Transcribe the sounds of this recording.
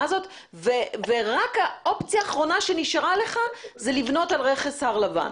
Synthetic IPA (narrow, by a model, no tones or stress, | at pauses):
zo̞t | veveʁakao̞pt͡sijaːχʁo̞naʃe̞niʃaʁale̞χazelivno̞talʁeχesaʁlava̰n